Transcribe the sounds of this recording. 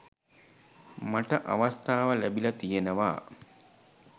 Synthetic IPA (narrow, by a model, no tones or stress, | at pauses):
maʈəʔa̰ʋɐst̪aːʋəlæbilɐt̪ijenəʋa̰ː